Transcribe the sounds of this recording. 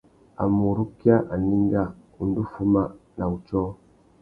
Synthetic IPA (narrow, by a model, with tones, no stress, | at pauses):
a̰˨mu˨ɾu˦ki˦a˦ʔa˨ni˦ŋɡa˦˨ | u˨ndu˦fu˦ma˦na˨u˨t͡ʃɔ˦